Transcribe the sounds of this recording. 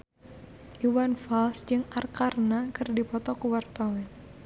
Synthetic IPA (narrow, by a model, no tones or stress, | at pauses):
ʔiwanfalsd͡ʒɨŋarkarnakɨrdipɔt̪ɔkuwart̪awɛn